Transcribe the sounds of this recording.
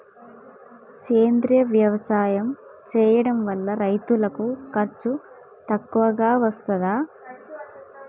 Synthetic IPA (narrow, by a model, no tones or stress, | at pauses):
keːnd̪ɾijɐʋjɐʋɐsaːjɐmt͡ʃɛːjɐɽɐmʋɐlːɐɾɐjt̪ulɐkukɐɾt͡ʃu | t̪ɐkːuʋɐɡaːʋɐst̪ɐd̪aː